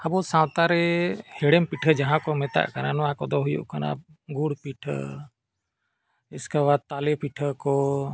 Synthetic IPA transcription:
abɔsãwt̪aɾɛhɛɽɛmpiʈʰəd͡ʒaɦãkɔmɛt̪a̰ʔkananɔwakɔd̪ɔɦujṵʔkana̰ɡuɽpiʈʰə̰ | iskawad̪̚t̪alɛpiʈʰəkɔ

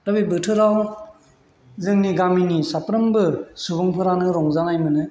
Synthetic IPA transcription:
ɾɯbibɯtʰɯɾaw | zɯŋniɡaminisapɾɯmbɯsubɯŋpʰɯɾanɯɾɔŋzanajmɯnɯ

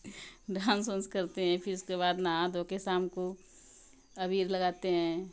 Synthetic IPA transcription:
ɖʱãːnsə̃nskɐɾt̪eɦɛ̃ːpʰɪɾʊskeβaːd̪naɦãd̪ʱoːkesaːmko | ɐbiːɾlɐɡaːt̪eɦɛ̃ː

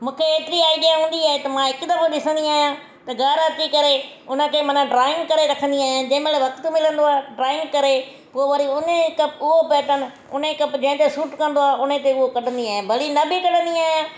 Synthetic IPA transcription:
mũːkʰeeːt̪ɪɾiaːiɗijãɦũːn̆d̪iaːɦet̪ɐmãɪkd̪ɐɾɗɪsə̃nd̪iaːɦijã | t̪ɐɡaːɾət̪ikɐɾe | ʊnə̆kʰeːmɐnaɖɾaːɪ̃ŋɡkɐɾeɾɐkʰə̃nd̪iaːɦijãd͡ʑɐ̃ɦɪ̃meleʋɐkt̪ʊmɪlə̃nd̪oaːeɖɾaːɪ̃ŋɡkɐɾe | poːʋəɾiʊnekɐpʊɦopɛːʈən̆ | ʊnekɐpd͡ʑɐ̃ɦɪ̃nt̪esuːʈkɐ̃nd̪oaːɦʊn̤et̪eʊɦokɐɗə̃nd̪iaːɦẽbʱɐɽinɐbʱɪkɐɗənd̪iaːɦijãː

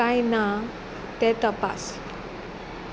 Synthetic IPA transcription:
ajna | t̪ɛt̪əpa̰s

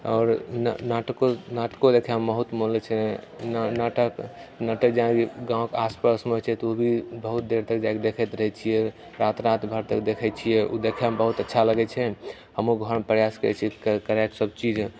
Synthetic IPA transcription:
ɔ̰ːɾnnaʈəkonaʈkod̪ekʰɛmbəɦut̪molet͡ʃʰɛnnaʈəknaʈəkd͡ʒaãɡãwõkaspasmot͡ʃʰɛt̪obʱibəɦut̪̚d̪eɾt̪ək̚d͡ʒaked̪ekʰɛt̪ɾəɦɛt͡ʃʰijɛ | ɾat̪ɾat̪bʱəɾt̪ək̚d̪ekʰɛt͡ʃʰijɛud̪ekʰɛmbəɦut̪ətːʃʰaləɡɛt͡ʃʰɛ | həmuɡʱəɾmepɾəjaskəɾɛ̰t͡ʃʰikkəɾɛksəb̚t͡ʃid͡ʒ

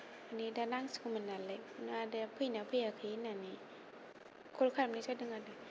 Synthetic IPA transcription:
anidanaŋsi̥kumənːalenadɛpʰɯinapʰɯjakʰɯinani | kʰolkʰaːmanisadɯŋada

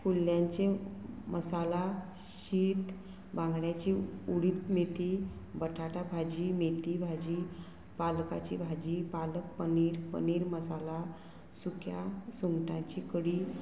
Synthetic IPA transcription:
pulːjaɲt͡ɕeməsala | ɕiːt̪ | bãŋɡɽjat͡ɕiuɽiːt̪met̪ibəʈʰaʈabʱad͡ʑimet̪ibʱad͡ʑi | palka̰t͡ɕḭbʱad͡ʑipalək̚pəniɾpə̰niɾməsala | sukʰja̰suŋɡʈãɲt͡ɕikəɽi

